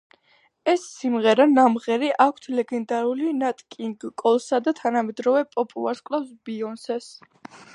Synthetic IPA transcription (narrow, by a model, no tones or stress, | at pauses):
ɛsːimʁɛɾanamʁɛɾiʔakʷʰt̪ʰlɛɡɛnd̪aɾulinat̪ʼkʼiŋɡkʼɔlˠsad̪at̪ʰanamɛd̪ɾɔvɛpʼɔpʼṵlˠaɾskʼlˠafsbiɔnsɛs